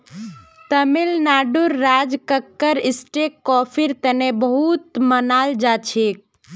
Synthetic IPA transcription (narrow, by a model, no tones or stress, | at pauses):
t̪əmilnaːɖuɾːaːd͡ʒkəkːəɾɪsʈeːkːɔːpʰiɾt̪ənebəɦut̪mənaːld͡ʒaːt͡ʃʰeːk̚